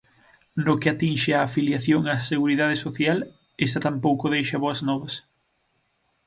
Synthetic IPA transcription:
nokɪat̪inʃɪaːfiljaθjoŋaseɣuɾiðaðɪsoθjal | est̪at̪ampowkoðejʃɐβoɐznɔβɐs

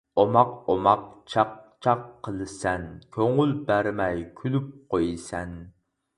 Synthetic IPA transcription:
omɑqomɑqt͡ʃʰɑq̚t͡ʃʰɑqʰːəlˠsɛnkʲʰøŋylbæɾmɛjkʲʰylyp̚qojsɛn

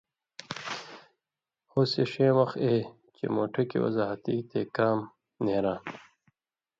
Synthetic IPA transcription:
hoːseɕẽːwʌxeː | t͡ɕḛmo̰ːʈʰɐkḭwɐ̰zaːɦɐt̪iːt̪ʰekaːm | neːɾãː

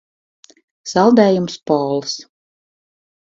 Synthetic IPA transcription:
sɑlˠd̪ɛːjumspɔːlˠs

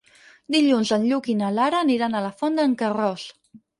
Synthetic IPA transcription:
d̪iʎunzənʎukinəlaɾəːniɾanələfɔnd̪əŋkərɔs

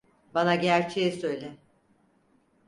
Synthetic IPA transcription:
banaɟæɾt͡ʃʰejɛsø̞jlʲɛ

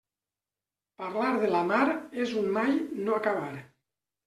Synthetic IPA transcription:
paɾlaɾðelamaɾezunmajnoakaβaɾ

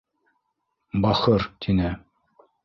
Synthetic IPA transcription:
bɑχɤɾt̪ʰinɘ

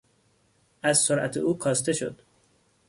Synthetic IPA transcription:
ʔæzsoɾʔæ̰t̪ʰeuːkʰɒːst̪e̞ʃo̰d̪̥

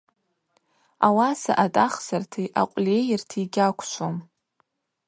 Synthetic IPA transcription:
a̰wasa̰ʔatʼaχzartʰijʔaqʷʼlʲejɪrtʰiɡʲakʷʰʃʷʰom

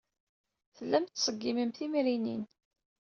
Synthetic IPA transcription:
θəlːæmt̪ːsˤəɡːimimθimɾinin

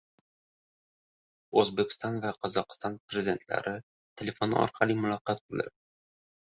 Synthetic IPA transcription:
ɵzbekʲʰɪ̥st̪ɒnvaqʰɒzɒqɨ̥st̪ɒnpɾezɪd̪ʲe̞nt̪la̰ɾʔɪ | t̪ʰelʲe̞fon̰ɒ̰ɾqʰɑlˠimʊlˠɒqːɑt̪̚qɨlˠɪ̰ɾ

